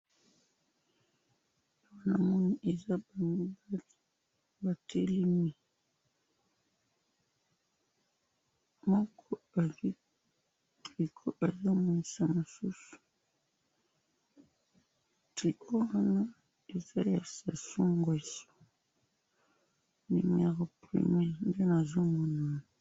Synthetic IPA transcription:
wa˦na˨mu˦ni˨ʔe˨za˦˨˦ | ba˨tʰe˦li˦mi˨ | mɔ˦kʰɔ˦˨˦ | i˨kʰo˦ʔa˨zo˦mu˨i˨sa˨mo˨su˦su̥˨ | ti˨ko˦a˦na˦ | e˨za˦ja˨sa˨su˦ŋɡa˨so̥˦ | nḭ˨m˨˦a˨ʁɔ˨pɾḭ˨mɛ˦n˦de˦na˨zo˦mo˨na˨n˨

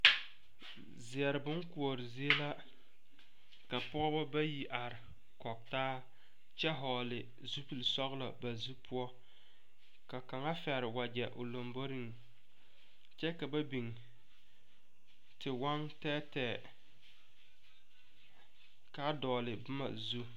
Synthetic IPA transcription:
zɪ˨ɛ˨ɾɪ˨bʊ˦ŋku˨ɔ˨ɾɪ˨zi˦e˦la˦ | ka˨pɔ˦ɔ˦bɔ˦ba˦ji˦ʔa˨ɾɪ˨ | kɔ˨k̚taː˦ | t͡ʃɛ˦ɦɔː˨lɪ˨ | zu˦pi˨lsɔ˦ɣla˨ba˨zu˦pʰʊ˦ɔ˦ | ka˨ka˨ŋa˦fɛ˨ɾɪ˨wa˨d͡ʒɛ˨ʔʊ̰˨lo˨mbo˦ɾi˦ŋ | t͡ʃɛ˦ka˨ba˦bi˨ŋ | tʰɪ˨wa˦ŋtɛː˦tɛː˨ | ka˦dɔː˨lɪ˨bʊ˦ma̰˨zu˦

